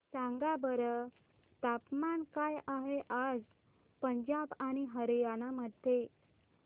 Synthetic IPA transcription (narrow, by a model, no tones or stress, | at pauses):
saŋɡabəɾə | t̪apmankajaɦeʔad͡z | pəɲd͡ʑabaɽ̃iɦəɾjañaməd̪ʱe